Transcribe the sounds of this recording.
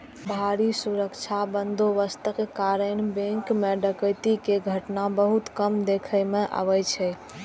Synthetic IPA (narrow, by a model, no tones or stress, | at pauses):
bʱaɾisuɾəkt͡ʃʰabənd̪oʋəst̪əkkaɾənbẽŋkmeɖəkəjt̪ikeɡʱəʈnabəɦut̪kəmd̪ekʰəjmeʔa̰ʋəjt͡ʃʰɛ